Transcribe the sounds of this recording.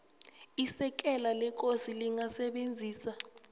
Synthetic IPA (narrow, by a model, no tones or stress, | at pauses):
isɛk̬ʼɛlalɛk̬ʼosiliŋasɛɓend͡zʱiːsa